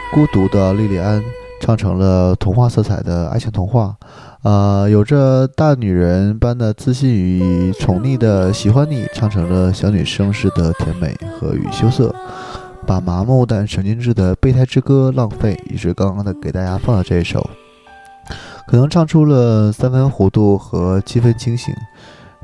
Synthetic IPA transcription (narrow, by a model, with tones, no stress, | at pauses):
ku˥t̪u˧˥d̪ə˧li˥˩li˥˩a˥nʈ͡ʂʰɑ˥˩ŋʈ͡ʂʰɤ˧˥ŋlə˧t̪ʰʊ˧˥ŋxwa˥˧t͡sʰɤ˥˩t͡sʰa˨˩ɪd̪ə˦a̰˥˧ɪt͡ɕʰi˧˥ŋt̪ʰʊ˧˥ŋxwa˥˩ | ə˧jo˨˩ʊʈ͡ʂə˥˧t̪a˥˩ny˨˩ɻə˧˥npa˥nd̪ə˨˩t͡sɹ̩˥˧ɕi˥˩ny˧˥t͡sʰʊ˧˥ŋli˥˩d̪ə˩ɕi˨˩xwa˥nli˥˩ʈ͡ʂʰɑ˥˩ŋʈ͡ʂʰɤ˧˥ŋlə˧ɕjɑ˧˥ny˨˩ʂɤ˥ŋʂɻ̩˥˩d̪ə˩t̪ʰjɛ˧˥nme˨˩˦ɪxɤ̰˧˥y̰˨˩ɕjo˥ʊsɤ̰˥˩ | pa˨˩ma˧˥mu˥˧t̪a˥˩nʂʰɤ˧˥ŋt͡ɕi˥ŋʈ͡ʂɻ̩˥˩d̪ə˩pe˥˧ɪa˥˩ɪʈ͡ʂɻ̩˥kɤ˥lɑ˥˧ŋfe˥˩ɪḭ˨˩ʂwe˥˩kɑ˥ŋkɑ˥ŋd̪ə˨˩ke˨˩ɪt̪a˥˩t͡ɕja˥fɑ˥˧lə˧ʈ͡ʂɤ˥˧i˥˩ʂo̰˨˩ʊ | kʰɤ˨˩ɤ˧˥ŋʈ͡ʂʰɑ˥˩˧ŋʈ͡ʂʰu˥lə˨sa˥nfə˥nxwɔ˧˥t̪u˥˩xɤ˧˥t͡ɕʰi˥fə˥nt͡ɕʰi˥ŋɕḭ˧˥˦ŋ